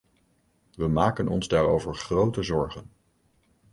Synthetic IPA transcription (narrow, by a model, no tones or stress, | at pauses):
ʋəmaːkənɔ̰nzdaːɾowvəɹχrowtəzɔɹχən